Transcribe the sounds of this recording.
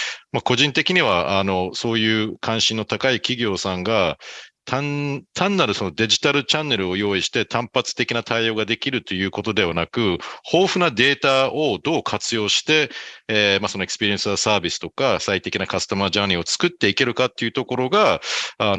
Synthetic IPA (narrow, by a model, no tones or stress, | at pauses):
mako̞ʑĩnt̪e̞kʲiɲ̟iβ̞aano̞so̞ːjɯ̟ːkʰãɰ̃ɕĩnːo̞t̪akaikʲiɡʲo̞ːsãŋɡat̪ʰãnt̪ʰãnːaɾɯ̟so̞no̞d̪e̞ʑit̪aɾɯ̟t͡ɕãnːe̞ɾɯ̟o̞jo̞ːiɕi̥t̪e̞t̪ʰãmpat͡sɨ̥t̪e̞kʲinat̪ʰaio̞ːɡad̪e̞kʲiɾɯ̟t̪o̞jɯ̟ːko̞t̪o̞d̪e̞β̞anakɯ̟ho̞ːɸɯ̟nad̪e̞ːt̪ao̞d̪o̞ːkʰat͡sɨjo̞ːɕi̥t̪e̞ | maso̞no̞ekɯ̥sɨ̥pʲiɾiẽ̞sɨasaːbʲisɨ̥t̪o̞kasait̪e̞kʲinakasɨ̥t̪amaʑaːɾʲio̞t͡sɨ̥kɯ̟t̪ːe̞ike̞ɾɯ̟kat̪ːe̞iɯ̟t̪o̞ko̞ɾo̞ɡaa